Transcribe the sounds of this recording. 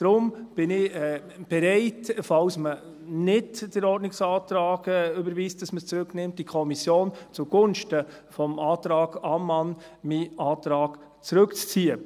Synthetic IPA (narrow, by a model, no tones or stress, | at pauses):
d̥ɾʊmb̥ɪnɪ | b̥ɛɾɛɪtfɑwsmə | nɪdd̥əɾɔrdnɪksɑːtɾɑːɡ̥ɛʏbəɾviːstd̥ɑsməst͡sɾɵknɪmt̚d̥ikʰɔmisjoːnt͡suɡ̥ʊnʃtə | fɔmɑːtɾɑːɡ̥ɑmːɑnmiːʔɑːtɾɑːɡ̥ | t͡sɾɵkt͡st͡siːə